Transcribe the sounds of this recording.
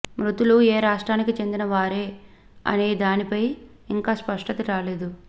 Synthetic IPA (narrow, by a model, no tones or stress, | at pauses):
mɾut̪ulueːɾaːʂʈɾaːnikit͡ʃe̞nd̪inɐʋaːɾe̞ː | ɐ̰ne̞ːd̪aːnipɐj | iŋkaːspɐʂʈɐt̪ɐɾaːle̞ːd̪u